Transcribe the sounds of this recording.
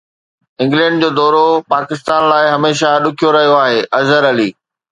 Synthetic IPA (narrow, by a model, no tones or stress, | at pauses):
ɪ̃ŋɡlɛ̃ːɳɖd͡ʑoːd̪ɔːɾopaːkɪst̪aːnlaːɪɦɐmeːʃaɗʊkʰijoɾɐɦijoaːɦeːʔɐzəɾɐliː